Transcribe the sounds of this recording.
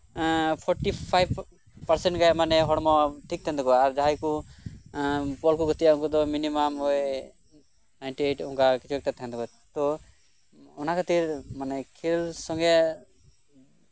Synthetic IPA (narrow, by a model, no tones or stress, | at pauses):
pʰɔɾʈipʰajb | paɾsɛɳʈɡamanɛɦɔɽmɔʈʰik̚t̪ʰɛ̃nd̪kɔaɾd͡ʒaɦajku | pɔlkuɡʱɔt̪ijauŋkɔd̪ɔminimamɔj | najɳʈieʈũŋkakit͡ʃʰuɛk̚ʈat̪ʰɛ̃nd̪ɔkɔ | t̪ɔ | ɔnakʰat̪iɾmanɛkʰilsɔ̃ŋɡɛ